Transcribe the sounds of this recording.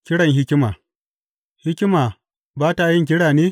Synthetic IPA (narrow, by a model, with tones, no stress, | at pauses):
kʲɪ˦ɽɐ˨ŋɦɪ˦kʲɪ˦maː˨ | hɪ˦kʲɪ˦maː˨ | baː˦ta˨˦jɪ˦˨ŋk̬ʲɪ˦ɽaː˨neː˦